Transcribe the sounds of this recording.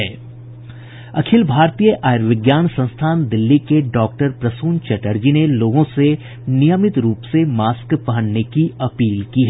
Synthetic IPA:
ɛː | ɐkʰɪlbʱaːɾt̪ijəʔaːjɾʋɪɡjaːnsɐ̃nst̪ʰaːnd̪ɪlːikeɖɔːk̚ʈəɾpɾɐsuːnt͡ʃɛʈəɾd͡ʒineloːɡõse | nijəmɪt̪ɾuːpsemaːskpɐɦə̃nnekiɐpiːlkiɦɛ

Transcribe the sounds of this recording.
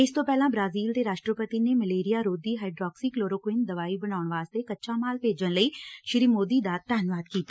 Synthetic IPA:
ɪst̪õːpɛːlãːbɾaːziːlt̪eːɾaːʃʈɾəpət̪iːneːməleːɾijaːɾoːd̪iːɦaːiɖɾɔːksiːkloːɾoːkwɪːnd̪əʋaːiːbəɽaːʊɳʋaːst̪eːkətːʃʰaːmaːlpeːd͡ʒənləiːʃɾiːmoːd̪iːd̪aːt̪ːɛːnʋaːd̪kiːt̪aː

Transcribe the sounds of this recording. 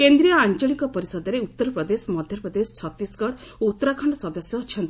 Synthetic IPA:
kend̪ɾijɔant͡ʃɔɭikɔpɔɾisɔd̪ɔɾeut̪ːɔɾɔpɾɔd̪esɔmɔd̪ʱjɔpɾɔd̪esɔ̥t͡ʃʰɔt̪ːisɡɔɽ | out̪ːɔɾakʰɔɳɖɔsɔd̪ɔsjɔt͡ʃʰɔnt̪ii

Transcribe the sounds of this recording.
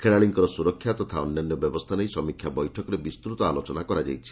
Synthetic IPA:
kʰeɭaɭiŋkɔɾɔsuɾɔkʰːjat̪ɔt̪ʰaɔnjɔnjɔbjɔbɔst̪ʰanejsɔmikʰːjabɔjʈʰɔkɔɾebist̪ɾut̪ɔalot͡ʃɔnakɔɾad͡ʒa̰jt͡ʃʰi̥

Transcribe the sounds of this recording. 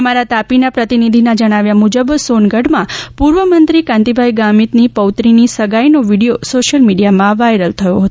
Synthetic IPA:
əmaɾat̪apinapɾət̪inid̪ʱinad͡ʒəɽ̃aʋjamud͡ʒəbsonɡəɽmãpuɾʋəmənt̪ɾikãnt̪ibʱajɡamit̪nipəwt̪ɾinisəɡajnoʋiɽiosoʃəlmiɽijamãʋajɾəlt̪ʰəjoɦət̪o

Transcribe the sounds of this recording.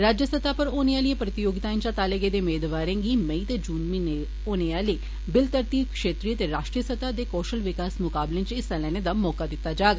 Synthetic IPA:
ɾaːd͡ʒjəsət̪aːpəɾoːniaːlijẽːpɾət̪ɪjoːɡɪt̪aːẽt͡ʃãːt̪aːləɡeːd̪eːmeːd̪ʋaːɾẽːɡiːməiːt̪eːd͡ʒuːnmiːne | oːneaːleː | bɪlt̪əɾt̪iːkʃeːt̪ɾiːət̪eːɾaːʃʈɾijəsət̪aːd̪eːkɔːʃəlʋɪkaːsmʊkaːblẽːt͡ʃɪsãlɛːned̪aːmɔːkaːd̪ɪt̪ːaːd͡ʒaːɡ

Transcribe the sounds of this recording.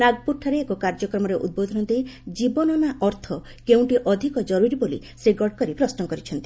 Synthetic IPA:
naɡpuʈʰaɾeːkokaɾd͡ʒɔkɾɔmɔɾeʔṵd̪̚bod̪ʱɔnɔnt̪id͡ʒibɔnɔnaʔɔɾt̪ʰɔ | keũʈiʔɔd̪ʱikɔd͡ʒɔɾuɾibolḭ | seɡɔɖkɔɾipɾɔsnɔkɔɾit͡ʃʰɔnt̪i

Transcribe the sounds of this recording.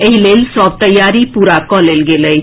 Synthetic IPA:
eɦilelsɔb̚t̪əjaɾipuɾakɔlelɡeləj

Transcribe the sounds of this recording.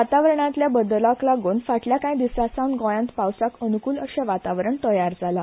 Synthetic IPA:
at̪aʋɾəɳ̃ãt̪ljabəd̪lãklaɡonfaʈljakãĩd̪isasãwnɡɔ̃jãnt̪pawsakənukuːləɕɛ̃ʋat̪aʋɾəɳt̪əjaɾd͡zala

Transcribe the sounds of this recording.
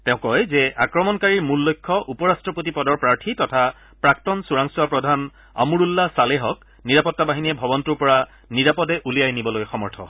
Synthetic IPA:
tɛ̃ʊ̃kɔjzɛʔakɹɔmɔnkaɹiɹmulːojkʰːɔʔupɔɹastɹɔpotipɔdɔɹpɹaɹtʰitɔtʰa | pɹak̚tɔnsuɹaŋsuwapɹɔdʱan | a̰muɹulːasaleɦɔk | niɹapɔtːabaɦiniɛbʱɔbɔntuɹpɔɹa | niɹapɔdɛʔulijajnibɔlojxɔmɔɹtʰɔ̰

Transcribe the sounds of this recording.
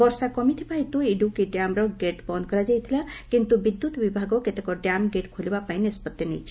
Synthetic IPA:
bɔɾsakɔmit̪ʰi̥paɦit̪uiɖukiɖjamɾɔɡeʈbɔnd̪̚kɔɾad͡ʒajt̪ʰilakint̪ubid̪ːut̪bibʱaɡɔket̪ekɔɖjamɡeʈkʰulbapaɦiniəspət̪ːjenḭjt͡ʃʰi

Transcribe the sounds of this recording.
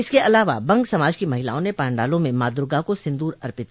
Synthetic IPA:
ɪskeʔɐlaːʋabɐ̃ŋɡsɐmaːd͡ʒkimɐɦɪla̰ːõnepaːɳɖaːlõmẽmaːd̪ɾʊɡakosɪ̃nd̪uːɾɐɾpɪt̪̚

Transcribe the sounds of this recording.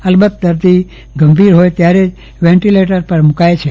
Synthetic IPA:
əlbət̪̚d̪əɾd̪i | ɡəmbʱiɾɦojt̪jaɾed͡ʒ | ʋɛ̃ɳʈileʈəɾpəɾmukajt͡ʃʰe

